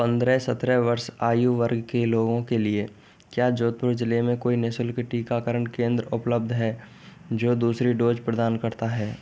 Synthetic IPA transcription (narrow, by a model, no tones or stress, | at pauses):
pə̃nd̪ɾɛsɐt̪ɾɛʋəɾsaːjuʋəɾɡkeloːɡõkelie | kjaːd͡ʒoːt̪̚pʊɾd͡ʒɪlemẽkoːinɪsəlkeʈiːkakəɾəɳkẽːnd̪ɾəʊpləb̚d̪ʱɦɛː | d͡ʒoːd̪uːsɾiɖoːd͡ʒpɾəd̪aːnkɐɾt̪aɦɛː